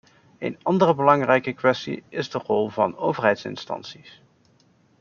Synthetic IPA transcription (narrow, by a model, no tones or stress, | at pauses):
ḛjnɑndərəbəlɑŋrɛjkəkʋɛstḭɪzdərɔlˠvɑ̰nowvəɹɦɛjtsɪ̰nstɑ̰nsis